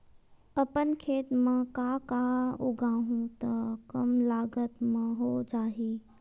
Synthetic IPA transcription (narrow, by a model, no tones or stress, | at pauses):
ɐpənkʰeːt̪mə̃kaːkaʊɡʱaːɦũt̪ɐkɐmlaːɡət̪mə̃ɦoːd͡ʒaːɦiː